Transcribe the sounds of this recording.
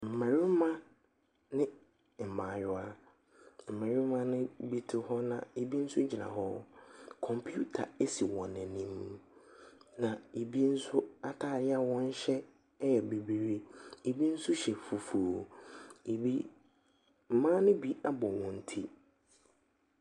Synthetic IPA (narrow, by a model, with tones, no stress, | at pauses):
m̩˨mɛ˨ɾɪ˦mã˦ | nɪ̃˦ | m̩˨mã˨jʊ˦a˦ | m̩˨mɛ̃˨ɾɪ˦mã˦nɪ̃˦bi˦tʰʊ˦hɔ˦nã˨e˨bi˦n̩˦sʊ˦d͡ʑi˨nã̰˨ɦɔ˦kʰɔ̃˨mpʰju˦tʰa̰˨e˦si˨wɔ̃˨nɛ̃˨nĩ˦m˦ | nã˨e˨bi˦n̩˦sʊ˦a˨tʰaː˦˨ɾɪ˦a˨wɔ̃˦n̩˦ɕɛ˦ | jɛ˨be˨bi˨ɾi˦e˨bi˦n̩˦sʊ˦ɕɛ˨fu˨fu˨o˨ | bi˦ | m̩˨mãː˦nʊ̃˦bi˦a˦bɔ˨wɔ̃˨n̩˦tʰi˦